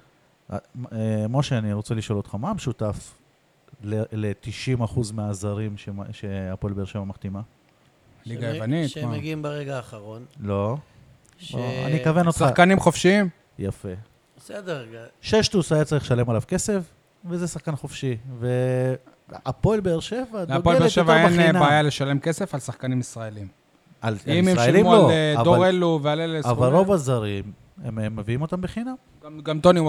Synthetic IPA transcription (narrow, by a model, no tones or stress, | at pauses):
a̰emoʃeaniʁot͡seliʃo̞lo̞t̪χamaːmeʃutaf | lelet̪iʃimaχuzmeazaʁimʃeʃeapolbeʁʃemamaχt̪ima | liɡajevanit̪meɡiimbeʁeɡaːχaʁonlo̞ | oa̰nikaveno̞t̪χsakanimχofʃiim | jafe̞ | sed̪eʃeʃt̪usajat͡saʁiχʃale̞malavke̞se̞f | vezesaχkanχofʃive | apoelbeːʁʃe̞vadaɡoleʃevaennabaajaleʃalemke̞se̞falsaχkanimisʁaelim | aliiesmʁaelimaolavdoaʁeluvealelesavalʁovazaʁim | emmːeviimo̞t̪ambeχinam | ɡamt̪oni